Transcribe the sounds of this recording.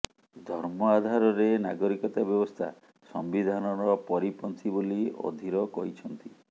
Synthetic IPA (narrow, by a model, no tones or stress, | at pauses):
d̪ʱɔɾmɔad̪ʱaɾɔɾenaɡɔɾikɔt̪abjɔbɔst̪ʰa̰ | sɔmbid̪ʱanɔɾɔpɔɾipɔnt̪ʰibolio̰d̪ʱiɾɔkɔɦit͡ʃʰɔnt̪i